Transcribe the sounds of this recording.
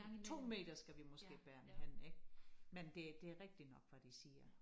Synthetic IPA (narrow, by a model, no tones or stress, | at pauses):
t͡sʰo̝̰ːme̝̰ːd̥ɐsɡ̥æʋimɔ̽se̝̰ːb̥æːɐmehæn̰eɡ̥mend̥e̝d̥e̝æɐʁɛɡ̥̚d̥inɒ̽ɡ̥ʋæd̥isiːɐ